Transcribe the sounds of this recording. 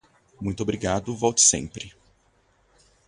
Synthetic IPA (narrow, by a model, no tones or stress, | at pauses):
mũj̃t̪obɾiɡad̪ʊvɔwt͡ʃɪ̥sḛ̃pɾɪ